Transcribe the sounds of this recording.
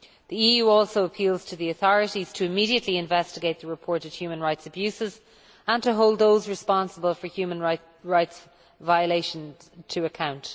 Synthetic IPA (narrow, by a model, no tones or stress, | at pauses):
ðiijʉːɔˑlˠsoʊəpʰilˠz̥tʰəðiəθɔɹɨɾiz̥tʰəɪmiɾiətʰˡliɪ̃ɱvɛstɪɡeɪt̪̚ðəɹɪpʰɔɹɾɨd̥hjʉːmə̃nɹaɪtsəbjʉsɪz | ə̃ntʰəɦoʊlˠd̪̚ðoʊzɹɨspɑ̃nsəbəlˠfə˞hjʉːmə̃nɹaɪ | ɹaɪts | vaɪəleɪʃə̃n | tʰəːkʰãʊ̃nt